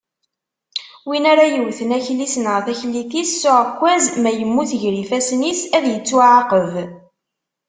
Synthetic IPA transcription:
winaɾajəwθənæçlisnəʁθæçliθisːʊʕəkʷːæzmæjəmːuθʝɾifæsnisæðjət͡sːuʕaqəv

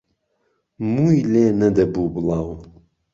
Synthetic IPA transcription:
muːjleːnɐd̪ɐbuːbɨlɑːw

